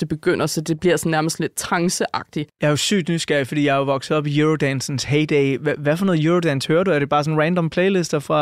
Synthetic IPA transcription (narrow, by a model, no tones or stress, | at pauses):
d̥e̝b̥e̝ɡ̥øn̰ɐsɒ̽d̥e̝b̥liɐsn̩ːæɐməsd̥le̝d̥̚t͡sʰɑ̈ŋsəʔɑ̈ɡ̥̚d̥ijɑ̈ɐosy̰ːd̥nysɡ̥æɐ̰fɒ̽d̥ḭːjɑ̈ɪoʋɒ̽ɡ̥s̩ˠɒ̽b̥ijuʁod̥ænsn̩sheɪd̥ɛɪʋæʋæfɒnɔːð̩ˠjuːʁod̥ænshøːɐɾ̥uæɐɾ̥e̝b̥ɑ̈ːsɔ̽n̩ʁænd̥ɒ̽mpʰleɪle̝sd̥ɐfʁɑ̈